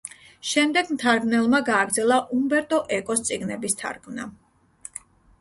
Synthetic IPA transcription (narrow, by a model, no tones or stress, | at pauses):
ʃɛmd̪ɛɡmt̪ʰaɾɡnɛlˠmaɡaːɡɾd̪zɛlˠaʔumbɛɾt̪ʼɔʔɛkʼɔst̪sʼiɡnɛbist̪ʰa̰ɾkʰvna̰